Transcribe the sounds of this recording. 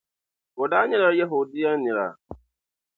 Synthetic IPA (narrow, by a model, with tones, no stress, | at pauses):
ʊ˨daː˦ɲɪ˦ɾa˦ja˦ɦo˨dɪ˦ja˦ɲɪ˨ɾa̰˨